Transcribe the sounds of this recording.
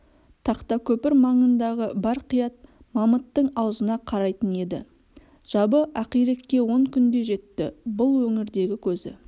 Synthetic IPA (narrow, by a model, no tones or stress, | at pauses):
t̪ʰɑqt̪ɑkʲʰɵpɪɾmɑɴənd̪ɑʁəbɑɾqʰijɑt̪̚ | mɑmət̪ːəɴɑwzənɑqʰɑɾɑjt̪əne̞d̪ɪ̰ | ʒ̥ɑbəʔɑqijɾe̞kʲːe̞wo̞ɴkʲʰʏnd̪e̞ʒe̞t̪ːɪbʊlˠwɵŋɪɾd̪e̞ɡʲɪkʲʰɵzɪ̰